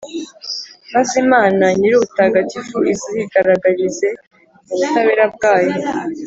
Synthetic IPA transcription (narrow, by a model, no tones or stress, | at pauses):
mazimaːnaɲiɾutaɡacifuʔizihiɡaɾaɡaɾize̞ | muβutaβeɾab̚ɡaːjo